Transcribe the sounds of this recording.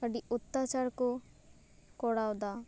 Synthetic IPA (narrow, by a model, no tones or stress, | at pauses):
ɐɖiut̪ːat͡ʃaɾku | kɔɽawd̪a